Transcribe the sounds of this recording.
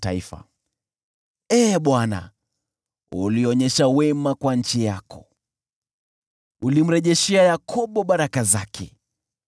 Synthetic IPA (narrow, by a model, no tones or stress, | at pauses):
ta̰ifa̰ | ɛːɓwana̰ | uliɔɲɛʃawɛmakwaɲ̩t͡ʃijakɔ̰ | ulim̩ɾɛʄɛʃɛajakʰɔɓɔɓaɾakazakʰɛ